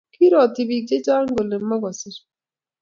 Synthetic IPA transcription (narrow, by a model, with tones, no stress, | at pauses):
ki˦ɾɔ˨ti˨bi˨k̚d͡ʒe˦d͡ʒa˦ŋ˦ɡo˨le˨m̩˦ma˦ɡɔ˨sɪ˦ɾ